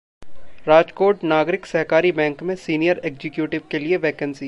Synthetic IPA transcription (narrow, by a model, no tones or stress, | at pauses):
ɾaːd͡ʒkoːʈnaːɡɾɪksɐɦkaːɾibɛ̃ːŋkmẽsiːnijəɾeːɡzɪkjuːʈɪʋkelieʋɛːkənsiː